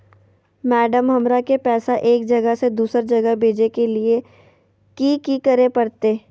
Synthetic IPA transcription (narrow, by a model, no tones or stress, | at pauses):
mɛːɖəmɦɐmɾakepɛːsaʔeːkd͡ʒɐɡəsed̪uːsəɾd͡ʒɐɡəɦbʱeːd͡ʒekelie | kiːkikɐɾepɐɾt̪eː